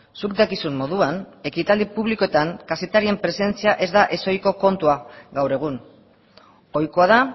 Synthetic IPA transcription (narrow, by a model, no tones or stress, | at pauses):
suk̚d̪akisummo̞ð̞uane̞kit̪ald̪ipuβliko̞et̪aŋkase̞t̪aɾie̞mpɾe̞se̞nt͡siaʔe̞zd̪aʔe̞so̞jko̞ko̞nt̪uaɡawɾe̞ɣ̞un | o̞jko̞aða